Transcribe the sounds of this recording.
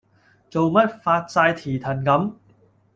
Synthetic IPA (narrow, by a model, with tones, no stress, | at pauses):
t͡so˨wmɐ˥t̚faː˧t̚t͡saː˧jt̪ʰiː˨˩t̪ʰɐ˨˩nkɐ˨˥m